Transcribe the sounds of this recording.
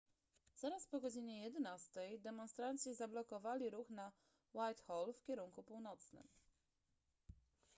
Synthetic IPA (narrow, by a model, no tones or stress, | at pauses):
z̥aɾaspɔɡɔd͡ʑiɲɛjɛd̪ɛnast̪ɛjd̪ɛmɔnst̪ɾant̪ɕizablɔkɔvalʲiɾuxna | wajt̪xɔlfkʲɛɾuŋkupuwnɔt̪snɘ̰m